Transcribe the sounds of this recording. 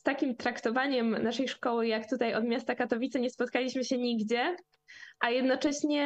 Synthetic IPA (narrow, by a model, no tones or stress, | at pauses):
st̪akʲimt̪ɾakt̪ɔvaɲɛmnaʂɛjʂkɔwɘjakt̪ut̪ajɔd̪mʲjast̪akat̪ɔvʲit̪saɲɛspɔt̪̚kalʲiɕmɘɕɛɲiɡd͡ʑɛ | ʔajɛd̪nɔt͡ʂɛɕɲɛ